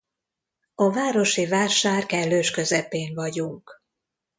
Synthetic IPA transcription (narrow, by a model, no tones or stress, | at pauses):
ɒvaːɾo̞ʃivaːʃaːrkɛlːøːʃkø̞zɛpeːɱvɒɟuŋk